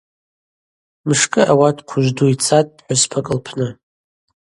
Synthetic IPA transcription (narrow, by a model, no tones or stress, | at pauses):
mɨʂkʼɨʔawatʰʼqʷʰʊʒʷduit͡sʰatʼħʷᶣʊspʰakʼɨlpʰnɨ